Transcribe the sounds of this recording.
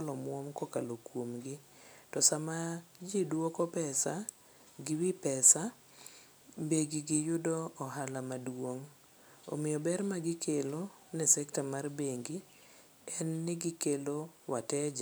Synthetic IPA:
lɔmwɔmkɔkalokwomɡɪ | tɔsamad͡ʒidwokɔpɛsa | ɡɪwipɛsa | beɡiɡɪjʊdɔːɦalamadwoŋ | o̰mɪjɔbɛrmaɡɪkʰelo | nɛsɛktamarbeŋɡi | ɛnːɪɡɪkelowatɛd͡ʒa

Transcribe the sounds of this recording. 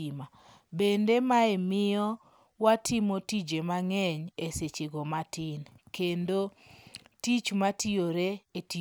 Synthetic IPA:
ima | bendemaemɪɔ | watimotid͡ʒemaŋɛɲeset͡ʃeɡomatɪnkendotit͡ʃmatioɾeeti

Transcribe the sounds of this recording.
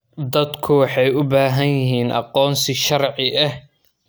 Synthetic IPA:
d̪ɐd̪kʰʊwɑħɑjʊbaːɦɐnjɪɦiːnʔɑ̰qɔːnsɪʃɐrʕɪʔɐh

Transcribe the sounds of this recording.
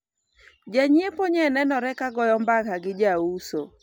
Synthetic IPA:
d͡ʒaɲiepoɲɛnɛnɔɾɛkaɡɔjɔmbakaɡɪd͡ʒauso

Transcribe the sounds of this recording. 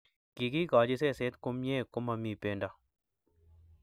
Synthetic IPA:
kikiːkaːd͡ʒiseːseːt̪kʊmjeːkʊmɐmipeːɳɖa

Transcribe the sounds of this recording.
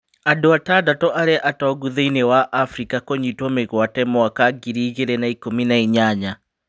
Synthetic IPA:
adoataːdatɔʔaɾeaʔatɔɣuðeinewaʔafɾikakoɲitɔmeɣwatɛmɔakaɡiɾiːɣeɾɛnaikominaiɲaɲa

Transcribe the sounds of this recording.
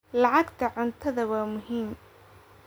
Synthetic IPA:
lɑʕɑɡt̪ʰɐʕʊnt̪ʰɐðɐwɑːmʊɦiːm

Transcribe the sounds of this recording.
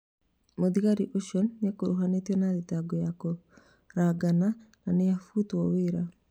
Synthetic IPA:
moðiɣaɾiʔoʃɔnːakoɾoɦanetiɛnaðetaɡɔjako | ɾaɡanananejafutwɔweɾa

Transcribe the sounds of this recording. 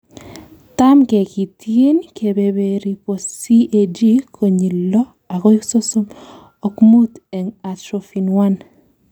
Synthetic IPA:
tamkɛkitjenkʰebeβeɾiposiʔed͡ʒikʰoɲilːɔ | akoiksosom | okmutɛŋatɾofinwan

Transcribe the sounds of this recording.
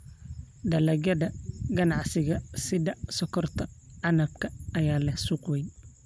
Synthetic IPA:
d̪ɐlɐɡɐdɐɡɐnɑʕsɪɣɐsɪðɐsɔkʰɔrt̪ʰɐʕɑnɐbkʰɐɐjaːlɐhsuːqwɛj

